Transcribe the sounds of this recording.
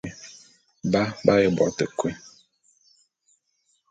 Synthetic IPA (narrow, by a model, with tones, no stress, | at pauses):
ba˦ba˦je˦bɔ̰˨˦tə˨kwe˦